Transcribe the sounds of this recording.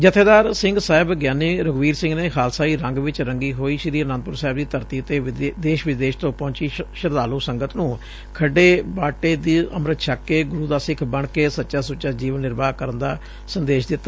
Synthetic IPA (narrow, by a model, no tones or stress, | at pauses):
d͡ʒət̪ʰeːd̪aːɾsɪ̃ŋɡsaːɦɪbɡjaːniɾəɡʋiːɾsɪ̃ŋɡneːxʰaːlsaːiːɾə̃ŋɡʋɪt͡ʃɾəŋɡiːɦoːiːʃɪɾiːənãːnd̪pʊɾsaːɦɪb̚d̪iːt̪əɾt̪iːət̪eːd̪eːʃʋɪd̪eːʃt̪õːpɔ̃ːt͡ʃiːʃəɾd̪aːluːsəŋɡət̪nũː | kʰəɖeːbaːʈeːd̪iːə̰mɾət̪ʃʰaːkːeːɡʊɾuːd̪aːsɪkʰbəɳkeːsətːʃaːsʊt͡ʃaːd͡ʒiːʋənːɪɾbaːkəɾənd̪aː | sənd̪eːʃd̪ɪt̪ːaː